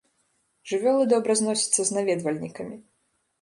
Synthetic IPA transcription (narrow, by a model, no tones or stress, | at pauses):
ʐɨvʲɔlˠɨd̪ɔbɾɐznɔsʲɐt̪sːɐznavʲɛd̪vɐlʲnʲikɐmʲi